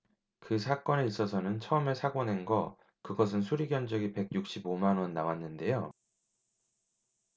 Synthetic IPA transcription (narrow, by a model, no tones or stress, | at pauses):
kɯsʰak͈ʌne̞is͈ʌsʰʌnɯnt͡ɕʰʌɯmesʰaɡonenɡʌ | kɯɡʌs̬ʰɯnsʰuɾiɡjʌnd͡ʑʌɡipe̞ɡ̚juk̚ɕ͈ibomanwʌnːawanːɯnde̞jo